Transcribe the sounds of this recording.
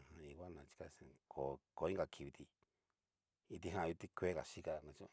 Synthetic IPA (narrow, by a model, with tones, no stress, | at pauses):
hã˧i˧wʷa˦nã˧t͡ʃi̥˧ka˧sẽ˧kʰo˨ko˨˦i˦ŋ˦ɡa˧˨kʰi˧βi˧t̪i˧ | i˧t̪i˧ɦã˦˧u˧t̪i˦kʷe˦ka̰˨ʃi˦ka˧nã˧t͡ʃõ˦˧